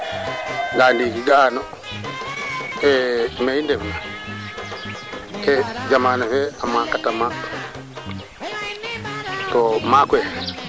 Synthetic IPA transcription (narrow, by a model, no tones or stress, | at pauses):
ɡaldiɡiɡanɔ | ɛmɛjindɛfuna | ɛd͡ʒamaːnafɛamːakatama | tɔmakwɛ